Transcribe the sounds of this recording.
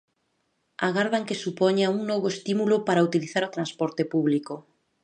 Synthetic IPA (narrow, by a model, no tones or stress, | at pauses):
aɣaɾðaŋkesupɔɲauŋnɔβoest̪imulopaɾaut̪iliθaɾot̪ɾanspɔɾt̪epuβliko